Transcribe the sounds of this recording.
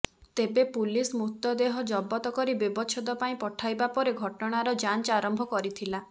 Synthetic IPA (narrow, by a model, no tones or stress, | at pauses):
t̪ebepulismut̪ːɔd̪eɦɔd͡ʒɔbɔt̪ɔkɔɾibibɔt͡ʃʰɔd̪ɔpaĩpɔʈʰajbapɔɾeɡʱɔʈɔɽ̃aɾɔd͡ʒant͡ʃaɾɔmbʱɔkɔɾit̪ʰila